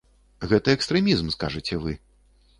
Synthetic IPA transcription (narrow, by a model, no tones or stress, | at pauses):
ɣɛt̪ɐɛkst̪ɾɛmʲizmskaʐɨt͡sʲɛvɨ